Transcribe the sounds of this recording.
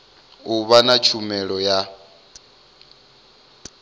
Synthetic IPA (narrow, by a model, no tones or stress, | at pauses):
uβanat͡ʃʰumɛɺɔja